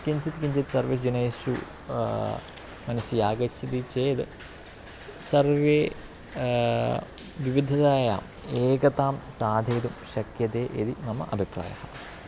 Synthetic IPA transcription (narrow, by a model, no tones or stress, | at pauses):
kiɲt͡ʃit̪kiɲt͡ʃit̪sɐɾʋis̬d͡ʒuneːsṵ | mɐnɐsijaːɡɐt͡ʃʰit̪it͡ʃeːd̪ɨ | sɐrʋeː | ʋiʋid̪ʱːɐd̪aːja̰ːm | eːkɐt̪aːmsaːd̪ʱeːd̪umɕɐkjɐt̪eːʔid̪inɐmɐ̰ʔɐbʱipɾa̰ːjɐ̰hɐ̰